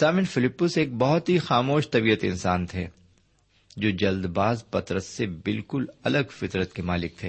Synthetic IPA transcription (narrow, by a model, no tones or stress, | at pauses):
saːmɪnfɪlɪpːʊseːk̚bɐɦʊt̪ɦixaːmoːʃt̪ɐbiːət̪ɪ̰̃nsaːnt̪ʰeː | d͡ʒoːd͡ʒɐld̪baːzpɐt̪ɾəsːebɪlkʊlɐləɡfɪt̪ɾət̪̚kemaːlɪk̚t̪ʰeː